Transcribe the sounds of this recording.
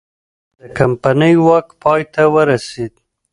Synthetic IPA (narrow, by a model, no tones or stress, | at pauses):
d̪̥əkampanəjwakpɑjt̪awəɾased̪̚